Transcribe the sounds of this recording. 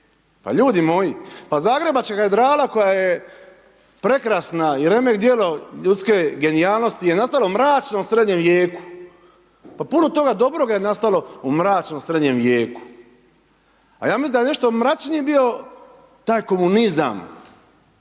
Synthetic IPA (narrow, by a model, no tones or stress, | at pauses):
pa̰ʎuːd̪imo̞jipazaːɡɾe̞bat͡ʃkaɡaed̪ɾaːlako̞jaje̞ | pɾe̞kɾasnaiɾe̞me̞kd̪jeloʎut̪ske̞ɡe̞niaːlˠno̞st̪ijenast̪aloumɾaːt͡ʃno̞msɾe̞d̪ɲemʋje̞ːku̥ | papuno̞t̪o̞ɡad̪o̞bɾoɡajenast̪alˠo̞umɾaːt͡ʃnomsɾe̞d̪ɲe̞mʋje̞ːku̥ | a̰jaːmisinajne̞ʃt̪o̞mɾat͡ʃnijbio̞ | t̪aːjko̞muniza̰m